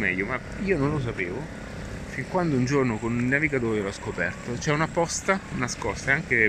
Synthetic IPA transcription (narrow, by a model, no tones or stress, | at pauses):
mɛ̰ʎːoma | iːononlos̬apeːvo | fiŋkwand̪ound͡ʒornokonilnaviɡat̪oːɾolɔskopɛrt̪ot͡ʃɛunapːɔst̪anaskɔst̪aeaŋke